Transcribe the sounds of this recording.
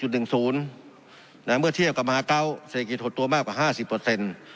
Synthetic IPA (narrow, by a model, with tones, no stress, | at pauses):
u˨˩t̪̚nɯ˨˩ŋsuː˨˦n | naː˧˥˦mɯ˥˨t̪ʰi˥˩˨wka˧˩mhaː˨˦ka˧˨wse˧ki˧t̪̚ʰːo˧˦t̪ːu˧˦maː˥˩k̚waː˧˩˦ɦaː˥˩si˧˦pːɤː˧˩se˧˥˨n